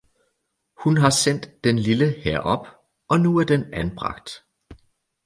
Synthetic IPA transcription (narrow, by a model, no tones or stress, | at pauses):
hunɦɑ̈sen̰d̥ːenliləheɐ̰ʔɒ̽b̥ | ʔɒ̽nuæɐd̥enænb̥ʁɑ̈ɡ̥̚d̥